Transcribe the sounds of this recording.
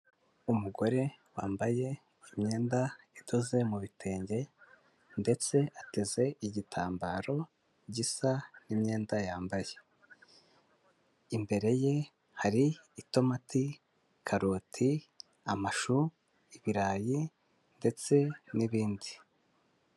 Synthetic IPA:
umuɡo̞ɾe̞waːmbaje̞ | imɲe̞ːnda | itoze̞muβitʰe̞ːɲɟe̞ | nde̞t͡se̞ʔate̞ze̞iɟitʰaːmbaːɾo̞ | ɟisanimɲe̞ːndajaːmbaje̞ | imbe̞ɾe̞je̞ | haɾiːto̞matʰi | kʰaɾoːtʰi | amaʃu | iβiɾaːji | nde̞t͡se̞niβiːndi

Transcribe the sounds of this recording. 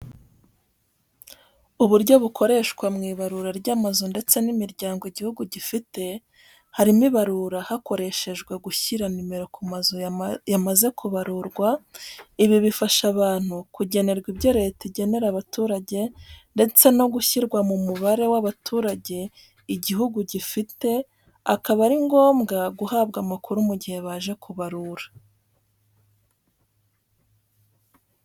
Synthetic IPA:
uβuɾɟo̞βukʰo̞ɾe̞ʃkwamŋiːβaɾuɾaɾɟaːmazonde̞t͡se̞nimiɾɟaːŋɡoiɟihuɡuɟifite̞ | haɾimiβaɾuɾahako̞ɾe̞ʃe̞ʒɡwe̞ɡuçiɾanimeɾo̞kuazojamaze̞kuβaɾuɾɡwaiβiβifaʃaβaːn̥hukuɟe̞ne̞ɾɡwibɟo̞ɾe̞teɟe̞ne̞ɾaβatuːɾaɟe̞nde̞t͡se̞no̞ɡuçiɾɡwamumuβaɾe̞waβatʰuːɾaɟe̞ | iɟiɦuɡuɟifite̞ | akaβaɾiŋɡo̞ːmɡaɡuhaːβɡamakuɾumuɟihe̞βaʒe̞kʰuβaɾuɾḁ

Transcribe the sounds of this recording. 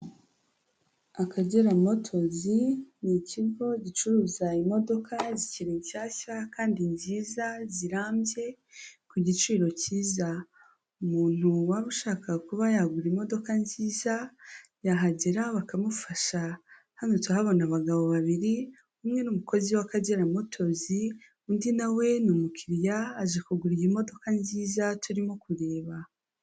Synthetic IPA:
akʰaɟeɾamo̞tʰo̞ziniciɡo̞ɟit͡ʃuɾuːzaimo̞do̞kʰaziciɾiɲcaːçakaːndiɲziːzaziɾaːmbje̞ | kuɟit͡ʃiːɾo̞ciːza | umuːn̥uwaβuʃaːkakuβajaɡuɾimo̞do̞kanziːzajaɦaɟeɾaβakamufaʃa | hanotwahaβo̞naβaɡaβo̞βaβiɾi | umŋe̞numuko̞ziwakaɟeɾamotʰo̞zi | undinawe̞numukʰiɾjaːʒekuɡuɾijimo̞do̞kanziːzatuɾimo̞kuɾe̞ːβa

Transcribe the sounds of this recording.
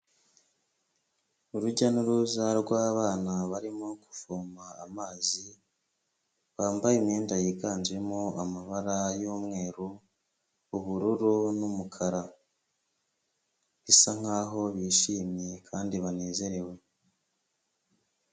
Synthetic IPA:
uɾuɟanuɾuzaɾɡwaːβaːnaβaɾimoku̥foːmaa̰maːzi | βaːmbajimɲeːndajikaːnd͡ʒemoamaβaɾajoːmŋe̞ːɾuː | βuɾuɾunumukʰaɾa | βisaŋ̥aːɦo̞βiːʃiːmjekʰaːndiβane̞ːze̞ɾe̞we̞

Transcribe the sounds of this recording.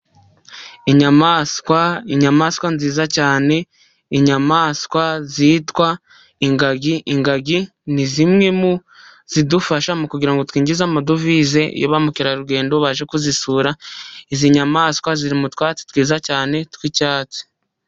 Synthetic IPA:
iɲamaːskwaiɲamaːskwanziːzacaːne̞ | iɲamaːskwaziːtwa | iŋɡaɡiʔiŋɡaɡi | nizimŋe̞mu | z̥idufaʃamukuɟiɾaŋɡo̞twiːɲɟizamadovize̞̰jo̰βamukiɾaɾuɡe̞ːndo̞βaʒe̞kuzisuːɾaiziɲamaːskwaziɾimutwaːt͡si̥twiːzacaːne̞twicaːt͡si̥

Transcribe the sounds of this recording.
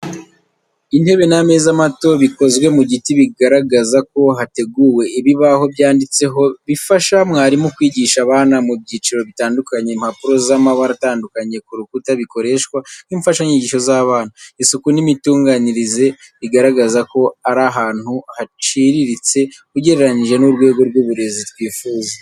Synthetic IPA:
in̥e̞βe̞name̞ːzamato̞βiko̞zɡwe̞muɟitiβiɡaɾaɡazako̞ɦate̞ɡuwe̞ʔiβiβaho̞βjaːndit͡se̞ɦo̞βifaʃamŋaːɾimokwiːɟiʃaβaːnamubɟiːt͡ʃiɾo̞βitaːndukaɲe̞mhapuɾo̞zamaβaɾataːndukaɲe̞kuɾukutaβiko̞ɾe̞ʃkwanimfaʃaɲiɟiːʃo̞zaβaːn̥huisukunimituːŋɡaːniɾize̞ | βiɡaɾaɡazako̞aɾaɦaːn̥huhat͡ʃiɾiɾit͡se̞kuɟe̞ɾeɾaniʒe̞nuɾɡwe̞ːɡo̞ɾɡuβuɾe̞zitwiːfuːze

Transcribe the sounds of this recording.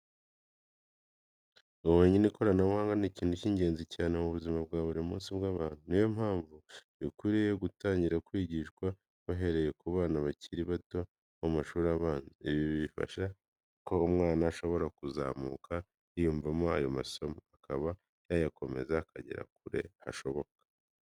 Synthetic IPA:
uwoːɲeniko̞ɾanawaːŋɡaniciːn̥huciːɲɟe̞ːnzicaːne̞muβuzimabɡaːβuɾimṵːnsibɡaːβaːn̥unijo̞m̥haːɱvu | ikwiɾejeɡutaːɲɟiɾakwiːɟiʃkwa | βaɦe̞ɾe̞je̞kuβaːnaβaciɾiβato̞ | amaʃuːɾaiβifa̰ʃa | ko̞umŋaːnaːʃo̞βo̞ɾakuza̰ːmukʰa | ijuːɱvamo̞a̰jo̞ma̰so̞moakaβa | jajako̞me̞̰zaːkʰa̰ɟḛɾa̰k̚uɾe̞̰ha̰ʃo̞βo̞kḁ

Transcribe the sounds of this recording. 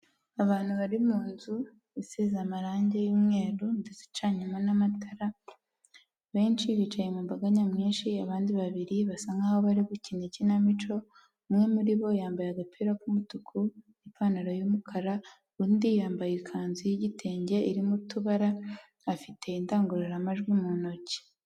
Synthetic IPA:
aβaːn̥huβaɾimuːnzu | isizamaɾaːɲɟe̞juːmŋe̞ːɾundezi̥t͡ʃaɲimwenamatʰaɾa | βe̞ːnt͡ʃiβit͡ʃajemumbaɡaɲamŋiːnʃiaβaːndiβaβiɾiβasaŋɡahoβaɾiβucinicinamit͡ʃo̞ | mŋe̞muɾiβo̞jaːmbajaɡapʰiɾakumutukʰunipʰanaɾajumukʰaɾa | ɾuːndijaːmbajekʰaːnzijiɟitʰeːɲɟe̞iɾimutuβaɾaː | fitʰe̞indaːŋɡuɾeɾamaʒɡwimuno̞ce̥

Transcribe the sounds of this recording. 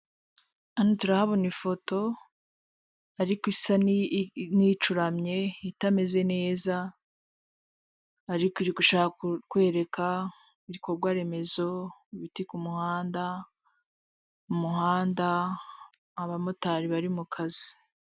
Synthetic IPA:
anotuɾahaβonifo̞to̞ | aɾikisannit͡ʃuɾamɲe̞itame̞ze̞ne̞ːza | ɾikoiɾiɡuʃaːhakwe̞ːɾe̞kʰa | iɾiko̞ɾɡwaɾe̞me̞zo̞iβitikumuhaːnda | umuɦaːndaː | βamotaɾiβaɾimukʰazi

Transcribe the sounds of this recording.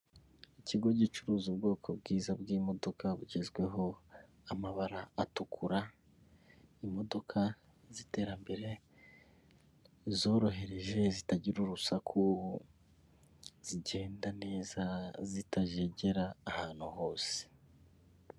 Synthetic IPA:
iciɡo̞ɟit͡ʃuɾuːzubɡo̞ːkʰo̞bɡiːzabɡiːmo̞do̞kʰaβuɟezɡwe̞ɦo̞ | amaβaɾaːtukʰuɾa | imo̞do̞kʰa | zite̞ːɾambe̞ɾe̞ | zo̞ːɾo̞ɦe̞ɾe̞ʒe̞zitaɟiɾuɾusakʰuhu | z̥iɟe̞ːndane̞ːzazitaʒe̞ɟe̞ɾaːhaːn̥huho̞ːse̥

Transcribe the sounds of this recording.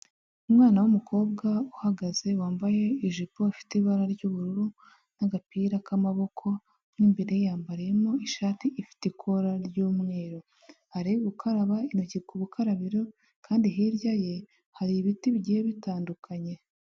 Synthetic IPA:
umŋaːnawumukʰo̞ːbɡauhaɡaze̞waːmbaje̞iʒipo̞ifi̥tiβaɾaɾɟuβuɾuɾu | naɡapiːɾakamaβo̞kʰo̞ | nimbe̞ɾejjaːmbaɾijemo̞iʃaːtiifi̥tekʰo̞ɾaɾɟuːmŋe̞ːɾo | haɾijuβukʰaɾaβainocikuβukʰaɾaβiɾo | kaːndiɦiːɾjaje̞ | haɾiːβitiβiɟiheβitaːndukʰaɲe̞

